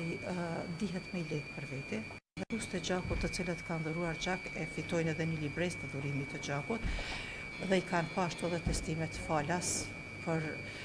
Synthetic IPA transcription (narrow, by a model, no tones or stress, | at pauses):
nd̪iɦɛt̪mɛilɛpəɾvɛt̪ɛ | ðɛɾust̪ɛd͡ʒakut̪ːət͡silət̪kand̪ɔɾuaɾd͡ʒakɛfit̪ɔjnɛðɛnilibɾɛst̪əd̪uɾimit̪ːəd͡ʒakut̪ | ðɛikanpaʃt̪uɛðɛt̪ɛst̪imɛt̪falas | pəɾ